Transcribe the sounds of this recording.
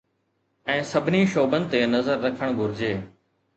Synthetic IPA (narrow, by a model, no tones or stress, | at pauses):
ɛ̃ːsɐbʱɪniʃoːbə̃nt̪enɐzəɾːɐkʰəɽ̃ɡʱʊɾɪd͡ʑeː